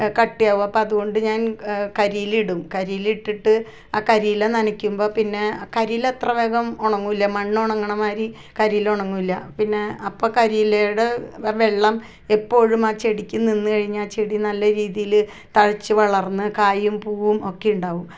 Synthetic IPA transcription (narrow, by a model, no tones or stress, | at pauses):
kɐʈːijaːʋmɐpːoɐðuɣo̞ɳɖɨɲaːnkɐɾijiliɽumkɐɾijiliʈːiʈːɨ | aːkɐɾiːlenɐnɐkʲːumbo̞ːpinːe̞kɐɾilet̪rɐʋeːɣɐmoɳɐŋːuilːɐmɐɳːoɳɐŋːɐɳɐmaːɾi | kɐɾijloɳɐŋːumilːɐpinːe̞ɐpːo̞ːkɐɾiːlejuɽe̞ʋe̞ɭːɐm | e̞pːo̞ːɻumaːt͡ɕe̞ɽikʲːuninːɨkɐɻiɲːaːt͡ɕeɽinɐlːɐɾiːðijil | t̪ɐɻɐt͡ɕːɨʋɐɭɐrnːɨkaːjumpuːʋumo̞kːe̞juɳɖaːʋum